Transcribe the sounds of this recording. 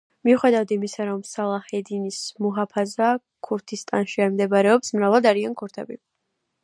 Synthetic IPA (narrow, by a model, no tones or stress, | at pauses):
miuχɛd̪avd̪imisaɾɔmsalˠahɛd̪inismuɦapʰaza | kʰuɾt̪ʰist̪ʼanʃiaimd̪ɛbaɾɛɔpsmɾavalˠd̪aɾiankʰuɾt̪ʰɛbi